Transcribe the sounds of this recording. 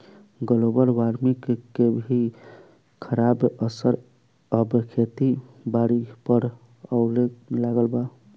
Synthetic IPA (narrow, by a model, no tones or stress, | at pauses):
ɡəlobəɾʋaɾmikkebʱi | kʰəɾabəsəɾ | əbkʰet̪ibaɾipəɾ | əʊlekmelaɡəlba